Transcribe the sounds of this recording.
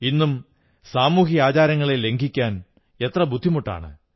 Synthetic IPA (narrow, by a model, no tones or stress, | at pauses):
inːum | saːmuːɦiaːt͡ɕaːɾɐŋːɐɭe̞le̞ŋɡʱikʲːaːn | e̞t̪rɐbʱud̪ʱːimuʈːa̰ːɳɨ̰